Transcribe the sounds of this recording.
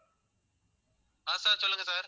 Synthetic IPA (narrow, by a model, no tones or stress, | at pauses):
ɦãːsaːt͡ʃələ̃ŋɡːsaːɾ